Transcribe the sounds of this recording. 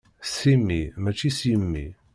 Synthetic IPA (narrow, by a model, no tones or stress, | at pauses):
simːimæt͡ʃːisimːḭ